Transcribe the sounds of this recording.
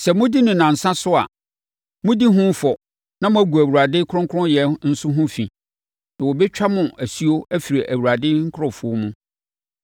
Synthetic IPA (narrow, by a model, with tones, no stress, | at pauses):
sɛ˨mʊ̃˦di˦nʊ̃˨nã˨n̩˨sã˦sʊ˦a̰˨ | mʊ̃˦di˦ɦʊ̃˦fɔ˨ | nã˦mʊ̃˦æ˦ɡu˨æ˨wu˨ɾa˨dɪ˦kʰʊ˦ɾʊ̃˦ŋkʰʊ̃˦jɛ˨n̩˦sʊ˦ɦʊ̃˦fĩ˨ | nã˨wɔ˨bɛ˦t͡ɕᶣa˦mʊ̃˨ʔæ˨si˦o˦æ˦fi˨ɾe˨ʔæ˨wu˨ɾa˨dɪ˦ŋ̩˦kʰʊ˦ɾʊ̃˨fʊ˦o˦mũ˦